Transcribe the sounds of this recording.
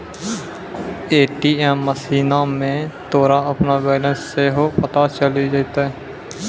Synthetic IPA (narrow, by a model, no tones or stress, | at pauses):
eːʈiːɛːmːəsiːnaːmẽːt̪oːɾaːəpnaːʋɛːləsːeɦopət̪aːt͡ʃəliːd͡ʒet̪a